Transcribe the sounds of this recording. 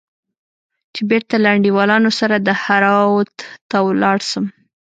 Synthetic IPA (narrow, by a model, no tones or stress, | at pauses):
t͡ʃebeɾt̪alaɳɖiwɑlɑnosaɾad̪əhaɾɑwt̪t̪awlɑɽʃəm